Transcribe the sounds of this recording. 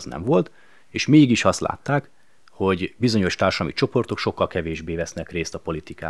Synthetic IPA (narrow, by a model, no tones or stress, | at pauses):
znɛ̰ɱvo̞lt̪ | eːʃmeːɡiʃɒst̪lʔa̰ːt̪ːaːk | ho̞ɟbizo̞ɲo̞ʃt̪aːrʃɒlɒmit͡ʃo̞po̞rt̪o̞kʃo̞kːɒlkɛveːʒbeːvɛsnɛkreːst̪ɒpo̞lit̪ika̰ː